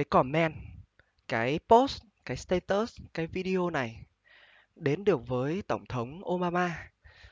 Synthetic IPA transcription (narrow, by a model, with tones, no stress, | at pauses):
ə˨˦jkɔ˧˩nmɛ˧n | kaː˨˦jpo˦˥ts | kaː˨˦jst̪e˧t̪əː˦˥skaː˨˦jvi˧ɗi˧ʔo˧na˨˩j | ɗe˨˦nɗɨ˨˩ək̚vəː˨˦jt̪ə˧˩wŋ͡mt̪ʰə˨˦wŋ͡mʔo˧ɓaː˧maː˧